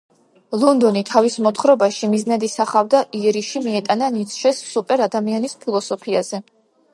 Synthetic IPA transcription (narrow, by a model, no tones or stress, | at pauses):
lˠɔnd̪ɔnit̪ʰavismɔt̪ʰχɾɔbaʃimiznad̪isaχavd̪aʔiɛɾiʃimiɛt̪ʼananit̪sʰʃɛsːupʼɛɾad̪amianispʰilˠɔsɔpʰiazɛ